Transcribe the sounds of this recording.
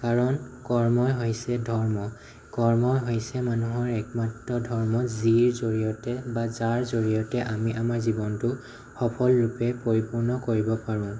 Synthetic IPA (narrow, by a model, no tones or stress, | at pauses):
kaɹɔnkɔɹmɔjɦojsɛdʱɔɹmɔ | kɔɹmɔjɦojsɛmanuɦɔɹɛkmatɹɔdʱɔɹmɔziɹzoɹijɔtɛbazaɹzoɹijɔtɛʔamiʔamaɹzibɔntʊ | xɔpʰɔlɹupɛpoɹipuɹnɔkoɹibɔpaɹʊ̃